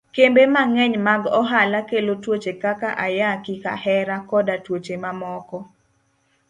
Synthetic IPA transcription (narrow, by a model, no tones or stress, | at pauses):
kembemaŋɛɲmaɡɔɦalakelotwot͡ʃekakaʔajakika̰hɛɾakɔdatwot͡ʃemamɔkɔ